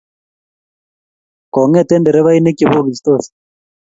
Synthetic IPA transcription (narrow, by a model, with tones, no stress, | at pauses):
kɔ˨ŋɛ˦t̪ɛ˦ndɛ˨ɾɛ˦βa˦i˦ne˦ki˨βo˦ɣi˨st̪o˦si̥